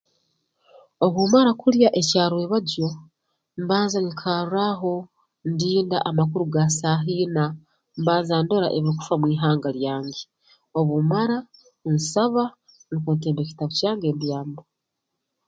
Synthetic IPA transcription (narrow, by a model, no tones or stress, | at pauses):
o̞βumaɾakuljaʔe̞caːɾwe̞ːβaɟo̞ | mbaːnzaŋikʰaːɾuɾaɦo̞ | ndiːnda̰ʔamak̬uɾuɡasaɦiːna | mbaːnzaːndo̞ɾaʔeβiiku̥famwiːɦaːŋɡaljaːɲɡe | oβumaɾa | nsaβa | nikeːnteːmbeci̥taβucaːŋɡe̞ːmbjaːmbo